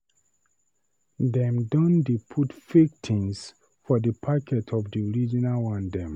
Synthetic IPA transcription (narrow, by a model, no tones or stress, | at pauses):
dɛ̃mdɔ̃ndipʰutfik̚tʰĩŋs | fɔdəpʰakʰɛtʰɔvdiɔɹid͡ʒinalwãndɛ̃m